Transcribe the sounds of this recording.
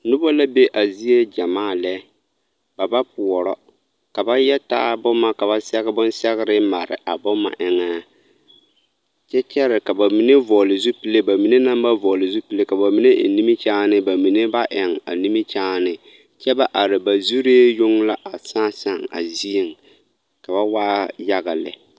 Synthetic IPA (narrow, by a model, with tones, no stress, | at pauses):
nʊ˦bɔ˦la˦be˦ʔa˨zi˦e˦d͡ʒa˨maː˦˨lɛ˦ | ba˨ba˦pʊ˨ɔ˨ɾɔ˦ | ka˨ba˦jɛ˦ta̰ː˦bʊ˦ma˦ka˨ba˦sɛ˦ɣɪ˦bʊ˦n˦sɛ˦ɣɪ˦ɾɪ˦ma˨ɾɪ̰˨ʔa˨bʊ˦ma̰˨ʔɪ˨ŋaː˦ | t͡ʃɛ˦t͡ʃɛ˦ɾɪ˨ka˨ba˨mi˨ne˦vɔ˨lɪ˨zu˦pi˦le˦ba˨mi˨ne˦na˦mba˦vɔ˨lɪ˨zu˦pi˦le˦ka˨ba˨mi˨ne˦ʔɪ̰˨ni˦mi˦t͡ʃaː˦nɪ˦ba˨mi˨ne˦ba˦ʔɛ˨ŋa̰˨ni˦mi˦t͡ʃaː˦nɪ˨ | t͡ʃɛ˦ba˦ʔa˨ɾɪ˨ba˨zu˦ɾeː˦jʊ˦ŋla˦ʔa˨saː˦sa˦˨ŋa̰˨zi˦e˨ŋ | ka˨ba˦waː˦ja˦ɣa˨lɪ̰˨